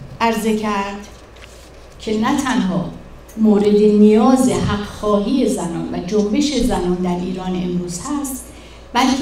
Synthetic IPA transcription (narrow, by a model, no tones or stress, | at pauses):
ʔæɾze̞cʰæɾd̪̥ | cʰe̞næt̪ʰænɦɒː | moːɾe̞d̪enijɒːzeɦæɢxɒːɦiːje̞zænɒːnvæd͡ʒombe̞ʃe̞zænɒːnd̪æɾʔiːɾɒːne̞mɾuːz̥hæst̪ | bælkʰ